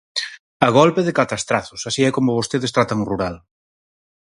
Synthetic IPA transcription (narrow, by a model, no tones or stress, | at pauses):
ɐɣ̞olpeðɪkat̪ast̪ɾaθʊsasiɛkomʊβost̪eðest̪ɾat̪aŋruɾal